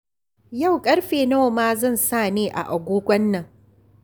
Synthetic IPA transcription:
ja˦˨wkʼɐ˦ɽɸeː˨noː˦˨maː˦zɐ˦˨nsaː˦˨neː˦ʔa̰˨ʔa˨ɡʷoː˦ɡʷɐ˦nːɐ˨ŋ

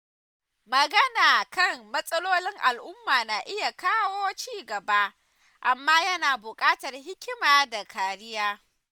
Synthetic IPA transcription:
mɐ˨ɡɐ˦naː˨kɐ˦˨ŋmɐ˦sʼɐ˦loː˦lɪ˦ŋʔa˨lʔʊ˦mːaː˨naː˨ʔɪ˦ja˨kaː˦woː˦t͡ʃiː˦˨ɡɐ˨ba˦ʔ | ʔa˨mːaː˦jɐ˦naː˨bʊ˨kʼaː˦tɐ˨rɦɪ˦kʲɪ˦maː˨da˨kʰaː˨ɽɪ˦jaː˦

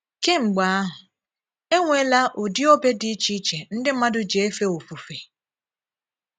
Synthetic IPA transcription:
ke˦ŋ͡m̩˨ɡ͡ba˨˦a˦ɦʊ˨ | e˦ŋʷe˦la˦ʔʊ˨di˦o˦be˦di˦t͡ʃi˦t͡ʃe˨n̩˦dɪ˦m̩˦ma˦dʊ˦d͡ʒe˨e˦fe˦o˨fu˨fe˨

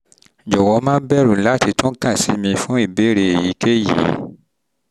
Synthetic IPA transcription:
d͡ʒɔ˨wɔ˨˧˦mãː˦bɛ˦ɾũ˨la˦ti˧tũ˦kã˦˨si˨˦mĩ˧fũ˦i˦˨be˨˦ɾe˧e˨ji˨˦ke˦jḭ˨˦

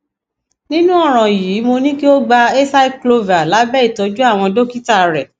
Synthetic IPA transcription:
nĩ˦nũ˦ɔ˦˨ɾ̃ɔ̃˨jiː˨˦mo˧nĩ˦ki˦o˦ɡ͡ba˧e˦sa˦i˦klo˧va˨la˨˦bɛ˦i˦˨tɔ˨˦d͡ʒu˦a˦˨w̃ɔ̃˧do˦ki˦ta˦˨ɾɛ˨

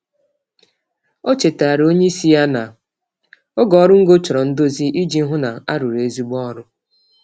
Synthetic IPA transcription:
o˦t͡ʃe˨ta˨a˨ɾo˦ɲe˦i˦si˦ja˦na˨ | o˦ɡɔ˨˦ɾʊ˦ŋ̩˦ɡo˦t͡ʃʊ˨ɾɔ˨n̩˦do˦zi˦ʔi˦d͡ʒi˦ɦʊ˦na˨a˦ɾʊ˨ɾe˨e˦zu˦ɡ͡bɔ˦ɾʊ˦

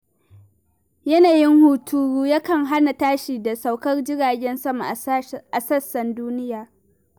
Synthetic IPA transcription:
jɐ˦naː˨jɪ˦ŋhuː˨tʰuː˦ɾuː˦jaː˦kɐ˨ŋɦa˦na˨taː˦ʃiː˨da˨sa˨wkɐ˦rd͡ʒɪ˦ɽaː˨ɡʲɛ˦nsɐ˦ma˨ʔʔa˨sɐ˦sːɐ˨nduː˦nɪ˦jaː˨

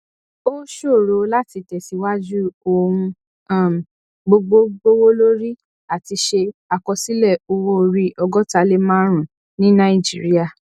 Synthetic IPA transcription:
o˦ʃo˦˨ɾo˨˧la˦ti˧tɛ˨si˨˧wa˦d͡ʒu˦o˧ɾũ˧ | a˦˨m˨ | ɡ͡bo˧ɡ͡bo˦ɡ͡bo˦wo˦lo˦ɾi˦ | a˨ti˧ʃe˧a˨kɔ˧si˦lɛ˦˨o˧wo˦˧ɾi˦ʔɔ˧ɡɔ˦ta˨˧le˦mã˦ɾ̃ũ˨ | nĩ˦nã˦i˦˨d͡ʒḭ˨ɾi˦a˨

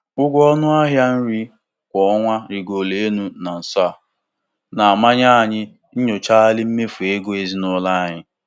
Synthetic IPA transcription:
ʊ˦ɡʷɔ˦nʊ˦a˦ɦja˦n̩˦ɾi˦ | kʷɔ˨ɔ˦ŋʷa˦ɾi˨ɡo˨le˨˦nu˦na˨n̩˨sɔ˦a˨ | na˨a˨ma˦ɲa˦˨ɲɪ˦ | n̩˦ɲʊ˨t͡ʃa˦lɪ˦m̩˦me˦fu˨e˦ɡo˦e˦zi˦nʊ˦la˦ɲɪ˦

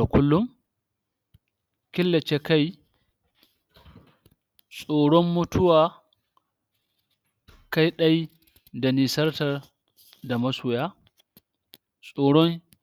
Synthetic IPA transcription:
a˨kʷʊ˦lːʊ˦m | kʲɪ˦lːɐ˨t͡ʃe˦ka˦j | sʼoː˨ɽɔ˦mːʊ˦tʊ˦waː˨ | ka˦jɗɐ˦j | da˨niː˨sɐ˦rtɐ˨r | da˨mɐ˦sʊː˨jaː˦ | sʼoː˨ɽɔ˦ŋ

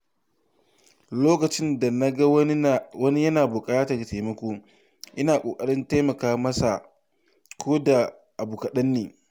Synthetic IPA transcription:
loː˦kɐ˨t͡ʃɪ˦nda˨na˦ɡa˦wɐ˦ni˦jɐ˦naː˨bʊ˨kʼaː˦ta˨da˨te˨mɐ˦kʷoː˦ | ʔɪ˦naː˨kʷʼoː˨kʼɐ˦ɽɪ˦nta˦mɐ˨kaː˦mɐ˦sa˨ | kʰʷoː˦da˨ | ʔa˨buː˨kɐ˨ɗɐ˦nːeː˨

